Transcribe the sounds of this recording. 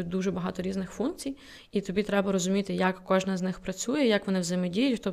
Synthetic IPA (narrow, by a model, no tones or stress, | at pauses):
id̪uʒɛbɐɦɑt̪ɔɾʲiznɪxfunk̚t͡sʲij | it̪ɔbʲit̪ɾɛbɐɾɔzʊmʲit̪ɪjɐkːɔʒnɐznɪxpɾɐt͡sʲujɛjakʋɔnɪwzemɛdʲijʊtʲxt̪ɔ